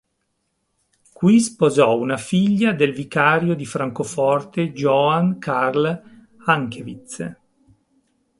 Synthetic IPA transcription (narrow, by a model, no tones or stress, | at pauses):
kwispozɔunafiʎːad̪elvikaːɾjod̪ifɾaŋkofɔrt̪ed͡ʒɔankʰarl | aŋkevit̪s